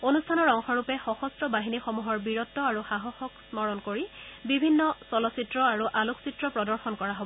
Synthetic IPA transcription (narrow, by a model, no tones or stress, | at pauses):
onustʰanɔɹɔŋxɔɹupɛxɔxɔstɹɔbaɦinixɔmuɦɔɹbiɹɔtːɔaɹuxaɦɔxɔksmɔɹɔnkoɹibibʱinːɔsɔlɔsitɹɔaɹuʔaluksitɹɔpɹɔdɔɹxɔnkɔɹaɦobɔɔ